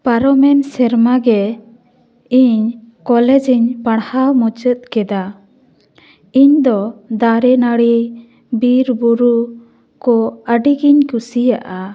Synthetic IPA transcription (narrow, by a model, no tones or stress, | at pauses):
paɾɔmɛnsɛɾmaɡɛ | iɲkɔlɛd͡ʒiɲpaɽ̃hawmɔt͡ʃət̪̚kɛd̪a | iɲd̪ɔd̪aɾɛnaɽi | biɾbuɾu | kɔəɖiɡiɲkusija̰ʔa